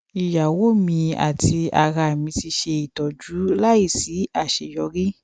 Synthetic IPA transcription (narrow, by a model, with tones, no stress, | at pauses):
i˨ja˨wo˦˨mĩ˧a̰˨ti˧a̰˨ɾa˧˨mĩ˧ti˧ʃe˧i˨tɔ˨d͡ʒu˨˦la˦i˦˨si˨˦a˦˨ʃe˨jɔ˧˦ɾi˦